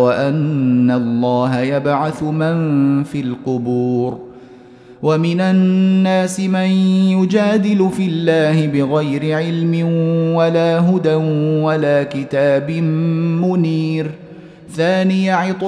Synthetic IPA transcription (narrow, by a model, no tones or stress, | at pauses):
waʔanːalˤːɑːɦajabʕaθʊmanfiːlqʊbuːɾ | wamɪnanːaːsɪmanjʊd͡ʒaːd̪ɪlʊfɪlːaːhɪbɪɣajɾɪʕɪlmɪnwalaːɦʊd̪anwalaːkɪt̪aːbɪmmʊniːɾ | θaːnɪjaʕɪt̪ˤ